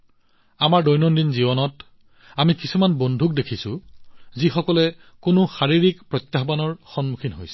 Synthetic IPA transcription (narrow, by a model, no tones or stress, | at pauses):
amaɹdɔjnɔndinzibɔnɔt | amikisumanbondʱuk̚dekʰisʊ̰zixɔkɔlɛ | kʊnʊxaɹiɹikpɹɔtjaxbanɔɹxɔnmukʰinɦojsɛ̥